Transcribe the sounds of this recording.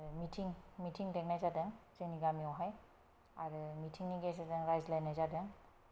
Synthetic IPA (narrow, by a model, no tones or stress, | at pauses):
mitʰiŋmitʰiŋdɛknajzadɛŋzeniɡamiɔɦaj | aɹmitʰiŋniɡesadɛŋɹajzlajnajzadɛŋ